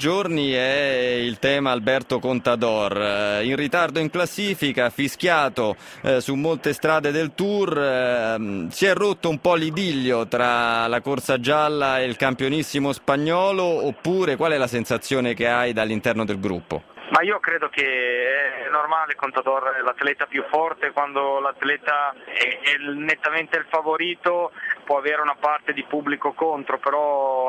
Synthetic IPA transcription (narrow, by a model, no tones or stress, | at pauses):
d͡ʒorniɛilt̪ɛːmaːlbɛrt̪okont̪ad̪ɔrinrit̪ard̪oiŋklasːiːfikafisk̟jaːt̪o | sumːolt̪est̪ɾaːd̪ed̪elt̪ur | siɛrːot̪ːoumpɔlːid̪iʎːot̪ɾalakorsad͡ʒalːaelkampjonisːimospaɲːɔːloːpːuːɾekwalɛlasensat̪sːjoːnekeajd̪alːint̪ɛrnod̪elɡɾṵpːo̰maiːokɾeːd̪okeɛɛnːormaːlekont̪at̪oɾlat̪lɛːt̪apjufːɔrt̪ekwand̪olat̪lɛːt̪aɛɛnːet̪ːament̪elfavoɾiːt̪opwɔaveːɾeunapart̪ed̪ipubːlikokont̪ɾopeɾɔ